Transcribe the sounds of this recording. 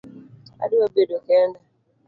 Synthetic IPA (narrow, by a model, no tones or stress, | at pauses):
a̰dɪobedokɛna